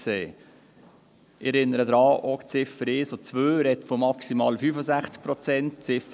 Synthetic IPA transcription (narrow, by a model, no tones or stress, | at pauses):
seː | ɪɛɾɪnːəɾəd̪ɾɑːʔɔkt͡sɪfəɾɪːsot͡sʋøːɾɛt̪fomɑksimɑːlfyːfəsæχt͡sk̚pɾɔt͡sɛnt̚t͡sɪf